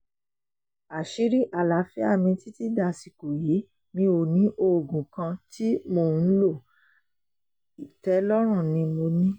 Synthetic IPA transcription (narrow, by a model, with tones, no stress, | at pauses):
a˨ʃi˨˦ɾi˦ʔa˨la˨˦fɛ˦a˦˨mĩ˧ti˦ti˦da˦˨si˨ko˨ji˨˦ | mĩ˧o˨nĩ˨˦ʔo˦˨ɡũ˨kã˧ti˦mo˦˧˨n̩˦lo˦˨ | i˨tɛ˨˦lɔ˦ɾ̃ũ˦˨nĩ˧mo˧nĩ˦